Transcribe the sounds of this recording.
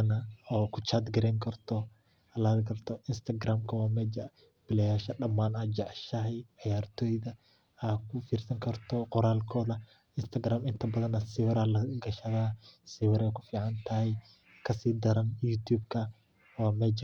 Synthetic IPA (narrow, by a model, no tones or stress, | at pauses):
nɐɔːkʰʊt͡ʃad̪ɡɐɾɛːŋkʰɐrt̪ʰɔ | ɐlɐd̪ɡɐrt̪ʰɔʔɪnst̪ʰɐɡɾaːmkʰɐwɑːmɛːd͡ʒɐ | b̥ɪlɛjaːʃɐɗɐmːaːnɐd͡ʒɑʕʃɐɦɛjʕɪjaːrt̪ʰɔːjðɐ | akʰʊfiːrsɐŋkʰɐrt̪ʰɔqɔɾaːlkʰɔːðɐ | ɪnst̪ʰɐɡɾaːmɪnt̪ʰɐbɐðɐnɐsɪwɾɐlɐɡɐʃɐðaːsɪwɪɾɛjkʰʊ̥fiːʕɑnt̪ʰɐhɛj | kʰɐsiːd̪ɐɾɐnjuːt̪ʰuːbkʰɐ | wɑːmɛːd͡ʒ